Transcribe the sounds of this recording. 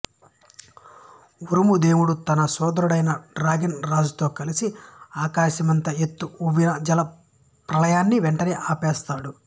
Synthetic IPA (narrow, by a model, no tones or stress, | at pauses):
uɾumud̪eːwuɽut̪ɐnɐsɔːd̪ɐɾuɽɐjnɐɖɾaːɡinɾaːd͡ʒut̪o̞ːkɐlisiaːkaːʃɐmɐnt̪ɐet̪ːuuʋinɐd͡ʒɐlɐ | pɾɐlɐjaːnːiʋeɳʈɐneːʔaːpɛːst̪aːɽu